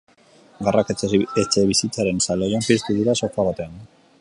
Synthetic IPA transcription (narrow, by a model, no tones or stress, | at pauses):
ɡarakaet͡ʃeβisit͡saɾe̞nsalojompist̪uðuɾaso̞faβat̪e̞an